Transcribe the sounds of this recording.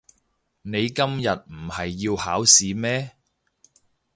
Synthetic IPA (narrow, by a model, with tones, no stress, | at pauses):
ne˨˧jkɐ˥mjɐ˨t̚m̩˨˩hɐ˨jːiː˧whaː˨˥wsiː˨˧mɛː˥